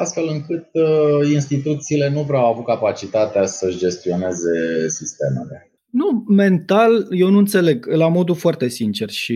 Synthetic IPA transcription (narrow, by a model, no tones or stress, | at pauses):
ast̪fe̞lɨŋkɨt̪inst̪it̪ut̪siːle̞nuvɾeawavut̪̚kapat͡ʃit̪at̪easəɨʃd͡ʒe̞st̪io̞ne̞ze̞sist̪e̞mele | nume̞nt̪alje̞wnuɨnt̪se̞le̞ɡlamo̞d̪ufoart̪e̞sint͡ʃe̞rʃi